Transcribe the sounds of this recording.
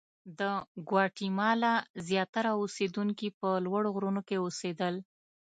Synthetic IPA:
d̪əɡwɑʈimɑlazjɑt̪aɾaosed̪uŋkipəlwaɽoɣɾunokeosed̪əl

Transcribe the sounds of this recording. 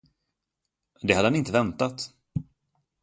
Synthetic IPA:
d̪ɛhad̪əhanɪnt̪əvɛnt̪at̪

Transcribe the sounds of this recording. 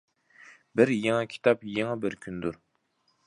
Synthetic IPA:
bɪɾjeŋɑkʲʰi̥t̪ʰɑpjeŋɑbɪɾkʲʰynd̪uɾ

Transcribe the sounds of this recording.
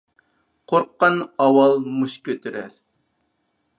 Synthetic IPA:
qʰoɾqːɑnɑwɑlˠmuʃkʲʰøt̪ʰyɾæɾ

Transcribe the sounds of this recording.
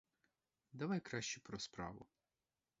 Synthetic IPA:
d̪ɐʋɑjkɾɑʃt͡ʃʊpɾɔspɾɑ̰ʋʊ̰

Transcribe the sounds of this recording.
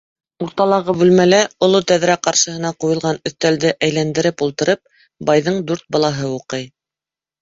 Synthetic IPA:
uɾt̪ɑlˠɑʁɤbʉlmælæŏlˠot̪æðɾæqɑɾʃɤ̆hɤ̆nɑqujɤ̆lˠʁɑnɵ̆θt̪æld̪ɘʔæjlænd̪ɘ̆ɾɘpulˠt̪ɤ̆ɾɤp̚ | bɑjðɤɴd̪ʉɾt̪̚bɑlˠɑɦɤuqɤj

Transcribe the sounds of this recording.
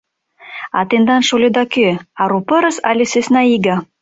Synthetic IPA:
ɑ̰t̪end̪ɑnʃolʲed̪ɑkøɑɾupɤɾɤsɑlʲesesnɑiɡɑ

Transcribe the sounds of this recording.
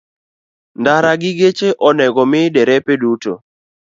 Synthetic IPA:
ndaɾaɡɪɡet͡ʃeʔɔnɛɡɔmɪdɛɾɛpeduto̰

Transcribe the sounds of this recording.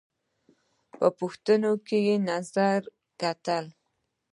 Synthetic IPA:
pəpʊxt̪ənokejenazaɾ | kat̪əl

